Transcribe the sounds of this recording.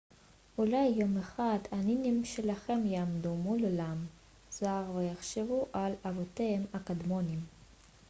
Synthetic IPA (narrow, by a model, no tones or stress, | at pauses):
ulajːo̞meχad̪aninimʃelaχemjaːmd̪umulolam | z̥aʁvejaχʃevuʔalavot̪eemakad̪monim